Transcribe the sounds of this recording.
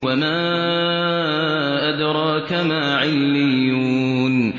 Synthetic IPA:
wamaː | ʔad̪ɾˤɑːkamaːʕɪlːɪjːuːn

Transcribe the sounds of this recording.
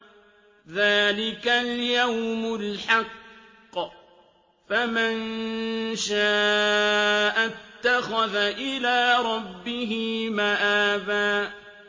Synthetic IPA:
ðaːlɪkaljawmʊlħɑqː | faman | ʃaː | ʔat̪ːaxaðaʔɪlaːɾˤɑbːɪɦɪmaʔaːbaː

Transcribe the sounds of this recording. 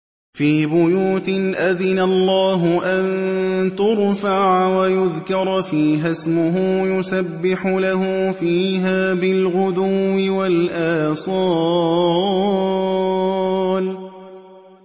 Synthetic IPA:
fiːbʊjuːt̪ɪnʔaðɪnalːaːɦʊʔant̪ʊɾfaʕawajʊðkɑɾˤfiːɦasmʊɦʊːjʊsabːɪħʊlaɦʊfiːɦaːbɪlɣʊd̪ʊwːɪwalʔaːsˤɑː | l

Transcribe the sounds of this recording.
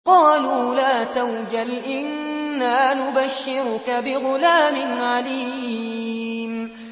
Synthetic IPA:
qɑːluːlaːt̪awd͡ʒalʔɪnːaːnʊbaʃːɪɾʊkabɪɣʊlaːmɪnʕaliː | m

